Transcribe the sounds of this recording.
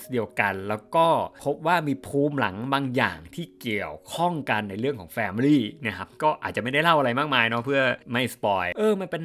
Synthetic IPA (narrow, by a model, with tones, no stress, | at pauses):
sdi˧əwka˧nlɛː˦˥wkɔː˥˩pʰo˦˥p̚waː˥˩miː˧pʰuː˦˥mla̰˩˦ŋbaː˧ŋja̰ː˨˩ŋt̪ʰiː˥˩ki˨˩əwkʰɔ˥˩ŋka˧nːa˧jɾɯ˥˩əŋkʰɔː˩˦ŋfɛː˧m˧liː˥˩na˦˥˩kʰa˦˥p̚kɔː˥˩ʔaː˨˩t̪̚t͡ɕa˨ma˥˩jda˥˩jla˥˩wʔa˧ɾa˧jmaː˥˩k̚maː˧jnɔ˦˥pʰɯ˥˩ɐma˥˩jspɔː˧jʔɤː˧ma˧npe˧n